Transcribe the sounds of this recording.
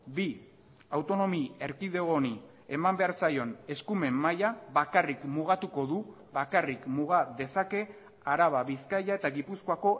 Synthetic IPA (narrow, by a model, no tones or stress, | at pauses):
bi | awt̪o̞no̞mie̞ɾkiðeɣo̞ni | e̞mambe̞aɾsajo̞ne̞skume̞mːajaβakarikmuɣat̪uko̞ðu | βakarikmuɣaðe̞sake̞ | aɾaβ̞aβiskajae̞t̪aɣipuskoako̞